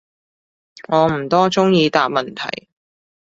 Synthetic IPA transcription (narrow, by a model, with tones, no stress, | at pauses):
ŋɔː˨˧m̩˨˩t̪ɔː˥t͡sʊ˥ŋjiː˧t̪aː˨p̚mɐ˨nt̪ʰɐ̰˨˩j